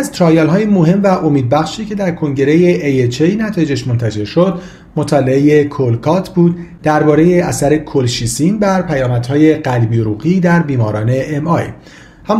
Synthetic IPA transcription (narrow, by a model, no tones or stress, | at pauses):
zt̪ʰɾɒjɑlɦɒːjemoɦe̞mvæʔomiːd̪̚bæxʃiːcʰe̞d̪æɾkʰo̞ŋɟe̞ɾe̞jeʔejet͡ʃʰejnæt̪ʰɒːjed͡ʒeʃmo̞nt̪ʰæʃe̞ɾʃod̪ | mot̪ʰɒːle̞ejekʰolkʰɒːt̪ʰbuːd̪ | d̪æɾbɒːɾe̞jeæsæɾe̞kʰolʃisimbæɾpʰæjɒːmæd̪̥hɒːje̞ɢælbiːɾuːɣiːd̪æɾbiːmɒːɾɒːne̞ʔemɒ̰ːj | hæm